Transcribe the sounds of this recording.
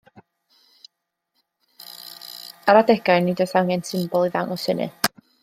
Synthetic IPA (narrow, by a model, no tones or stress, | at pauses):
aɾadɛɡ̥ajnidɔjθawŋɛnsʰɪmbɔlˠiðaŋɔshənɨ̰